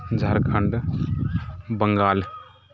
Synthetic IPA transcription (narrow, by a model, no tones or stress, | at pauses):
d͡ʒʱɐɾkʰɐɳɖ | bəŋɡaːl